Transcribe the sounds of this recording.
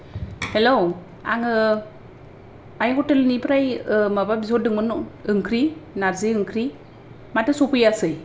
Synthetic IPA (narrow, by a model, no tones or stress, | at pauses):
helow | a̰ŋɯ | ajkɔtɯlɯnipɾajmababizodɯŋmɯnɯŋkʰɾinaɾzɯɯŋkʰɾi | matɯsopɯjasɯj